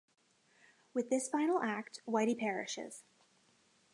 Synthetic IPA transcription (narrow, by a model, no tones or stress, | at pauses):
wɨðɪsfãɪ̃nl̩ˠʔæk̚t̚waɪɾipʰɛɹɪ̰ʃɪ̰z̥